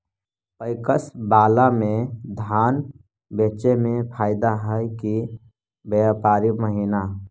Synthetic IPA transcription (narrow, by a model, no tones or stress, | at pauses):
pəɪkəsbaːlamẽd̪ʱaːn | beːt͡ʃemẽpʰaːɪd̪aɦəjki | beapaːɾiməɦiːna